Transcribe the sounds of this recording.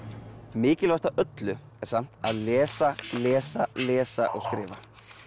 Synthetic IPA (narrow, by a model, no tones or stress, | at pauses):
mɪːcɪlvast̪aʔœt̪lʏ | ɛɾ̥sam̥t̪aðlɛːsalɛːsalɛːsaʔɔ̰ɣskɾɪːva